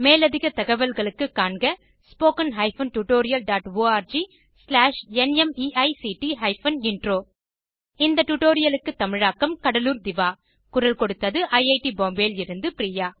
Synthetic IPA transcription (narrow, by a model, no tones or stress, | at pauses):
meːlɐðɪɣɐt̪ɐɣɐʋɐlɣɐɭɯkːɯkːaːɳɡɐ | spoːkɐnɦɐɪfɐnʈuʈoːɾɪjɐlɖaːʈʋoːaːɾd͡ʒi | slaːʂɛnɛmiːʔɐɪsiːʈiɦɐɪfɐnɪɳɖɾoː | ɪnd̪ɐʈuʈoːɾɪjɐlɯkːɯt̪ːɐmɪɻaːkːɐmkɐɽɐluːɾd̪ɪʋaː | kʊɾɐlkɔɽɯt̪ːɐðɯʔɐɪɐɪʈiboːmbeːlɪɾɯnd̪ɯpɪɾiːjaː